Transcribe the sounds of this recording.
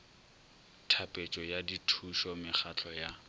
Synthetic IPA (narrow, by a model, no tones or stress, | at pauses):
tʰapʼet͡ʃʼɔjaditʰuʃɔmɪχat͡ɬʰɔja